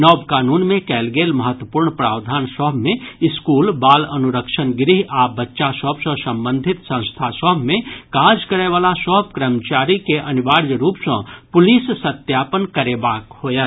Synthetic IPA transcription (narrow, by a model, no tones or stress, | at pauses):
nɔːbkaːnuːnmẽkɛːlɡeːlməɦət̪wəpuːɾɳpɾaːwd̪ʱaːnsəɦbʱmẽɪskuːlbaːlənuɾəkʃənɡɾiɦabətːʃasəɦbsə̃sə̃mbə̃nd̪ʱɪt̪sə̃w̃st̪ʰasəɦbʱmẽkaːd͡ʒkəɾeʋaːlasəɦəb̚kɾəmt͡ʃaːɾikeʔəniʋaːɾjəɾuːpsə̃pʊlisːət̪jaːpənkəɾebaːkhoːjə